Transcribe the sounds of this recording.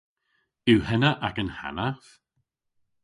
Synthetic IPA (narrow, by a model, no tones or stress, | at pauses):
ɪwhɛnaʔakənha̰naf